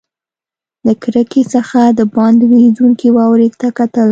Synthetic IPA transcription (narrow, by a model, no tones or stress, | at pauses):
ləkɾəkesəxad̪əbɑnd̪weduŋkiwɑwɾeɡt̪akat̪əl